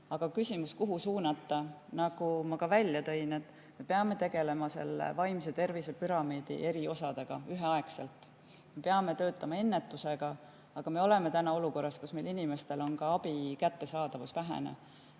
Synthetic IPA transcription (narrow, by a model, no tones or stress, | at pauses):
ɑɡ̥ɑkysʲimuskuɦusuːnɑt̪ːˑɑnɑɡ̥umɑkɑvælʲːjɑt̪ø̞ine̞t̪ːˑ | me̞peɑme̞t̪e̞ɡ̥e̞le̞mɑse̞̰lːḛvɑjms̬et̪e̞rvisepyɾɑmiːd̪̥ḭʔe̞ɾio̞sɑd̪̥eɡ̥ɑyɦe̞ɑekse̞lt̪ˑ | mepeɑme̞t̪ø̞ːt̪ːˑɑmɑe̞nːet̪ːˑuse̞ɡ̥ɑ | ɑɡ̥ɑme̞o̞le̞me̞t̪ænɑo̞luko̞rːɑskusme̞jlinime̞st̪e̞lo̞nkɑɑb̥ikæt̪ːe̞sɑːd̪̥ɑvusvæɦḛnḛ